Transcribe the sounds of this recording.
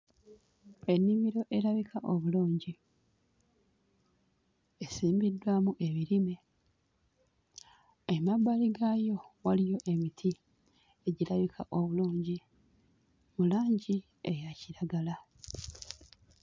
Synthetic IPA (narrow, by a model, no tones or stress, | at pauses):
e̞nːimiɾo̞ʔe̞ɾaβikaʔo̞βuluːɲɟi | esiːmbidːwamuʔe̞βiɾime̞ | emabːaliɡajo̞walijo̞ʔe̞mitʰi | e̞ɟiɾaβikʰa̰ʔo̞βuluːɲɟi | mulaːɲɟi | ejaciɾaɡala